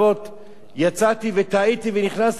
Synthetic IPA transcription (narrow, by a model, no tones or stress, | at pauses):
ot̪ | jat͡sat̪ivet̪ait̪iveniχnas